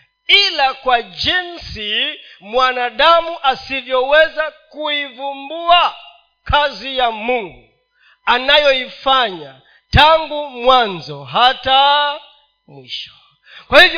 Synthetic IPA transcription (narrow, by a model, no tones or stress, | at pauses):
ilakwad͡ʒinsimwanaɗamuʔasivjɔwɛzakuivumbua | kʰazijamuŋɡu | anajɔifaɲa | taŋɡumwanzɔɦata | mwiʃɔ̥ | kwahivj